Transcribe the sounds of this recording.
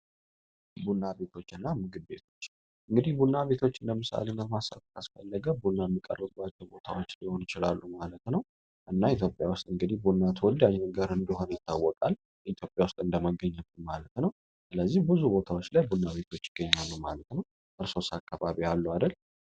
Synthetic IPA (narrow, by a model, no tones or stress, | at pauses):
bunːabe̞t̪ʰo̞t͡ʃːɨnːamɨɡɨb̪̚be̞̰t̪ʰo̞t͡ʃː | ʔɨŋɡɨd̪ihbunːaβe̞t̪ʰo̞t͡ʃːɨnd̪əmɨsa̰lenəmasa̰t̪kʰʼasfə̰lːəɡəbunːamːikʼə̰rːəbat͡ʃːɛwbo̞t̪ʰa̰wo̞t͡ʃːniho̞nɪt͡ʃɪla̰lːumalət̪nəw | ʔɨnːait̪ʰjo̞pʼjawʊst̪ʼɨŋɡɨd̪ihbunːat̪ʰwɔld̪ajnəɡəɾɨnd̪əɦo̞nəjɪt̪ʰːa̰wːɔkʼal | ʔit̪ʰjo̞pʼjawʊst̪ʼɨnd̪əməɡːəɲːəbumalət̪nəw | sɨləzːihbɨzubo̞t̪ʰawot͡ʃːlajbunːaβe̞t̪ʰo̞t͡ʃːɪɡ̥ːəɲːalːumalət̪nəw | ʔɨɾso̞sakʰːaβaβialːuad̪əl